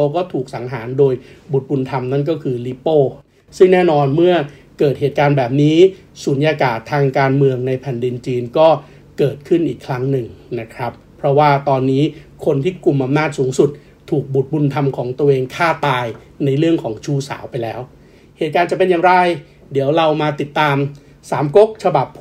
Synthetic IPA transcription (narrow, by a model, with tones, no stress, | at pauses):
o˧kɔː˥˩t̪ʰuː˨˩k̚sa˩˦ŋɦaː˩˦ndoː˧jbu˨˩t̪̚bu˧nt̪ʰa˧mna˥˩nk̬ɔː˥˩kʰɯː˧liː˦˥poː˥˩ | sɯ˥˩ŋnɛː˥˩nɔː˧nmɯ˥˩ɐkɤː˨˩t̪̚heː˨˩t̪̚kaː˧nbɛː˨˩p̚niː˦˥ | su˩˦njaː˧kaː˨˩t̪ʰːaː˧ŋkaː˧nmɯ˧əŋna˧jpʰɛː˨˩ndi˧nt͡ɕiː˧nkɔː˥˩ | kɤː˨˩t̪̚kʰɯ˥˩nʔiː˨˩kʰɾa˦˥ŋnɯ˨˩ŋna˦˥kʰɾa˦˥pʰːɾɔ˦˥waː˥˩t̪ɔː˧nːiː˦˥kʰo˧nt̪ʰiː˥˩ku˨˩mʔa˧mnaː˥˩t̪̚suː˩˦ŋsu˨˩t̪̚ʰː | uː˨˩k̚bu˨˩t̪̚bu˧nt̪ʰa˧mkʰɔː˩˦ŋt̪u˧əʔeː˧ŋkʰaː˥˩t̪aː˧j | na˧jɾɯ˥˩əŋkʰɔː˩˦ŋt͡ɕʰuː˥˩sa̰ː˩˦wpa˧jlɛː˦˥w | heː˨˩t̪̚kaː˧nt͡ɕa˨˩pe˧njaː˨˩ŋɾa˧j | di˩˦əwɾa˧wmaː˧t̪i˨˩t̪ːaː˧m | saː˩˦mko˦˥k̚t͡ɕʰa˧ba˨˩p̚